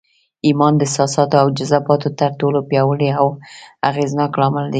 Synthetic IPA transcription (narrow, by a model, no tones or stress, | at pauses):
imɑnd̪əsɑsɑt̪oawd͡ʒazabɑt̪ot̪əɾʈolopjɑwəɽiawaɣeznɑklɑmɪld̪e